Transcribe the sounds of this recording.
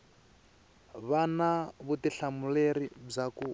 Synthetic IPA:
βanaβutiɬamuleɾib͡ʐaku

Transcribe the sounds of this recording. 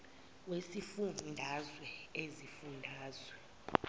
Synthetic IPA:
wesifunndʱazwɛezifundʱaːzwɛ

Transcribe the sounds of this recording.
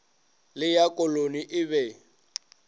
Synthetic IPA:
lɪjakʼɔloniʔɪβɛ

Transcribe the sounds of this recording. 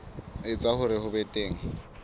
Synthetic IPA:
ɪt͡sʼahʊɾɪhʊbɛtʼeːŋ̩

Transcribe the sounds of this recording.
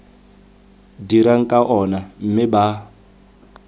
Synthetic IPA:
diɾaŋ̩kʼaʔɔnam̩mɪba

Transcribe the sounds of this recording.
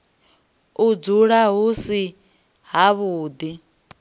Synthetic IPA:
ud͡zuɺaɦusi | ɦaβuːd̪i

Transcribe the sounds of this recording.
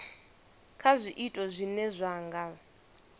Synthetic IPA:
kʰazʷiʔitʼɔzʷinɛzʷaːŋɡa

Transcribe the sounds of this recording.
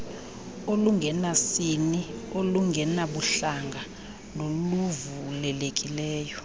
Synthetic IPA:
oluŋɡʱɛnasinioluŋɡʱɛnaɓuɬaŋɡʱa | noluvulɛlekʼilɛːjɔ

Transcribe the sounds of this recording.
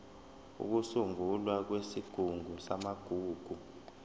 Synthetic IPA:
ṵk̬usuŋʱulwak̬wesiɡ̥ʱuŋʱusamaɡ̥ʱuːɡ̥ʱu

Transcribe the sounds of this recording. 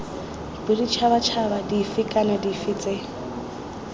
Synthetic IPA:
bidit͡ʃʰaβat͡ʃʰabadifɪkʼanadifɪt͡sʼɛ

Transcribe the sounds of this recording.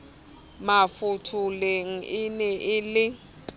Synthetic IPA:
mafutʰulɛŋ̩ʔɪnɛʔɪlɪ

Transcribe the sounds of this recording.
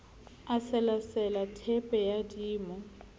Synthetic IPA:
asɛlasɛlatʰɛpʼɛjadiːmɔ

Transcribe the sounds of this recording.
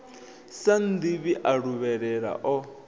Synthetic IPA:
san̩d̪iβiʔaɺuβɛɺɛɺa̰ʔɔ

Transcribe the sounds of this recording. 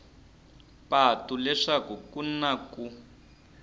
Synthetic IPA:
patulɛʂakukunaku

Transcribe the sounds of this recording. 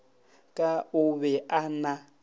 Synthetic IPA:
kʼaʊβɛʔana

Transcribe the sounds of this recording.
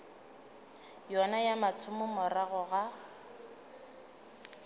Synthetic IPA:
jɔnajamatʰʊmʊmɔraɣʊɣa

